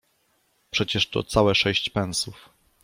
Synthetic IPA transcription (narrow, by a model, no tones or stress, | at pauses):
pʂɛt͡ɕɛʂt̪ɔ̰t̪sawɛʂɛɕt͡ɕpɛ̃ñsuf